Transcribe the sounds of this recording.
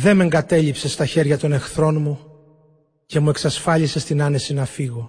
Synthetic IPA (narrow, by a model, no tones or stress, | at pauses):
ðe̞me̞ŋɡɐt̪e̞ʎipse̞st̪ɐçe̞ɾʝɐt̪o̞ne̞xθɾo̞nmu | ce̞mue̞ksɐsfɐʎise̞st̪inɐne̞sinɐfiɣo̞